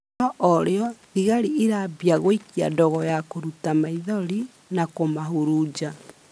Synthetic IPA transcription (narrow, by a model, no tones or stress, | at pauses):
ɔʔɔɾeɔðiɣaɾiiɾabiaɣoikia̰dɔɣɔjakoɾutamaiðɔɾi | nakomaɦuɾud͡ʒa